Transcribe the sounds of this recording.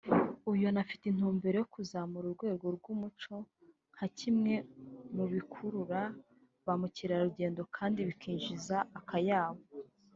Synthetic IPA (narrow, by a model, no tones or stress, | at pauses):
ujonafi̥tin̥huːmbeɾe̞jokuzamuɾuɾɡwe̞ːɡo̞ɾɡumut͡ʃo̞ | ŋ̥hacʰimŋe̞muβikʰuɾuɾa | βamuciɾaɾuɟe̞ːndo̞kʰaːndiβikʰiːɲʒizaːkajaːβo